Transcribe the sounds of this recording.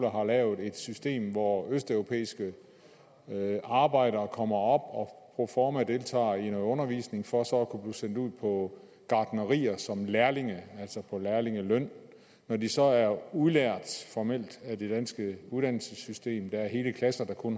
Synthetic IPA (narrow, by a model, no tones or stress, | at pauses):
lɐɦɑ̈lɛːʊð̩ˠe̝d̥sysd̥e̝̰ːmʋɒøsd̥œʊʁo̝pʰḛːisɡ̥ə | ɑ̈ːb̥ɑ̈ɪ̰d̥ɐːkʰɒ̽m̰ɐɒ̽b̥ɒ̽pʰʁofɒːmæd̥e̝lt͡sʰɑ̰̈ːinɔɔ̽nɐʋḭːsne̝ŋfɒ̽sɒ̽ːkʰub̥liːsen̰d̥uð̰ˠpʰɒ̽ | ɡ̥ɑ̈ːd̥nəʁḭːɐsɒ̽mlæɐle̝ŋəæl̰sɒpʰɒ̽læɐle̝ŋəlœn̰ | nɒd̥isɒ̽æɐuðˠlæɐ̰d̥fɒmel̰d̥æde̝d̥ænsɡ̥əuðˠd̥æn̰l̩səsysd̥e̝̰ːmd̥ɑ̈æɐɦe̝ːləkʰlæsɐd̥ɑ̈kʰɔ̽n